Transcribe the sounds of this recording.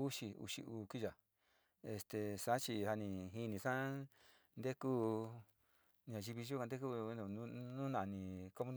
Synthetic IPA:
u˦ʃi˧ṵ˧ʃḭ˧uː˧ki˦ʒa˨ | e˧st̪e˨sa˨˦t͡ʃi˧ha˧nĩ˧ɦi˧nĩ˧ʂã˦ | nd̪e˦ku˦ | n˧ã˨˧ʒi˧βi˧ʒu˦kã˧nd̪e˦k̬ũ˦˧˨nũ˦nã˧˨˧nĩ˧ko˦mũ˦

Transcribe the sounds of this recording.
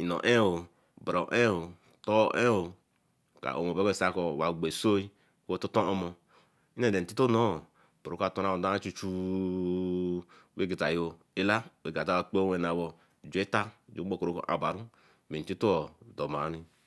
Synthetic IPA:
i˨no̰˨ʔe˦o˨ | bɾo˨ʔe˦o˨ | to˦ʔe˦o˨ | ka̰˨ʔo̰˨mo˨be˦e˦˨sa˦ko˨wa˨ɡ͡be˨so˦i˦ | ko˦o˦tu˦to˦o˦mo˦ | i˦ne˨de˨n̩˨ti˦to˦no˦˨ | b̥u˨ɾo˦ka˦˨to˦ɾa˦wo˨da˦a˦t͡ʃu˦t͡ʃu˦ | we˦ɡi˨ta˨jo˦ | i˦la˦we˨ɡa˨ta˦wa˨k͡po˦e˦˨na˨wo˦˨ | d͡ʒu˨e˦ta˦˨d͡ʒo˦o˦ko˨ɾo˦ko̰˨ʔa̰˨ba˨ɾu˦ | me˨i˦to˦o˨do˨ma˨˦ɾi˦

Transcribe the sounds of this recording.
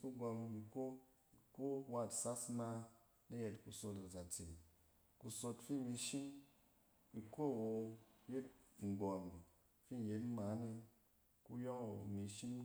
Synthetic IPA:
ku˦ɡɔ˧mi˧ko˦ | i˨ko˦wa˧˨tsa˦sma˧ | na˦je˧tku˨so˧ta˨za˨t͡se˨n˨ | ku˧so˧tfi˦˨mi˧ʃi˦m | i˧ko˦˨wo˧je˦t̚ŋ̩˨ɡɔ˨m˨ | fi˦˨je˨˦tma˨˦ne˧ | ku˦jo˦ŋo˨mi˧ʃi˦m

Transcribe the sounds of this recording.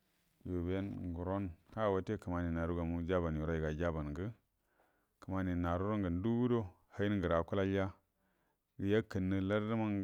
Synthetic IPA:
jo˨be˦nɡu˨ɾo˦nka˦˨wa˦te˦˨kə˨ma˨ni˨na˨ɾu˦ɡa˨mu˦d͡ʒa˦ba˨nju˨ɾa˦i˨ɡa˨d͡ʒa˦ba˨nɡə˦ | kə˨ma˨ni˨na˨ɾu˦ɾo˦ŋɡə˨n˦du˦wu˦do˦ | ha˦i˦nɡə˨ɾa˨ku˦la˦la˦ | ɡə˨ja˦kə˨nːə˨la˦ɾdə˦ma˦ŋ

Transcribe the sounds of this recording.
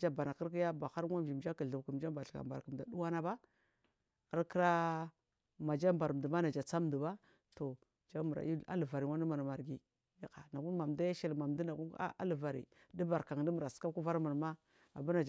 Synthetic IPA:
d͡ʒa˦ba˨na˨kə˦ɾki˦ja˦ba˨xa˦ɾŋa˦m˨d͡ʒi˨md͡ʒa˦ka˨ɬu˨bku˨m˨d͡ʒa˦ba˨ɬka̰˨mba̰˨kə˨m˨da˨du˦wa˦na˦ba˦ | a˦ɾkə˦ɾa˦ | ma˨d͡ʒa˦m˨ba˨ɾm˨du˨ma˦na˨d͡ʒa˨t͡sa˦m˨du˨ba˦ | to˨ | d͡ʒa˦mu˨ɾa̰˨i˦a̰˦lva˨ɾi˨wa˦n˦a˦ma˨n˨ma˨ɾɡi˦ | ja˦ka˨na˨ɡu˦n˦ma˨mda˦ja˦ʃe˦lma˨mdu˦na˨ɡu˦a̰˦ʔa̰˦lva˨ɾḭ˨ | di˦ba˨ɾka˨ŋ˨də˦mu˨ɾa˨ska˦ku˦va˦ɾma˨n˨ma˦ | a˨ba˦na˨d͡ʒ

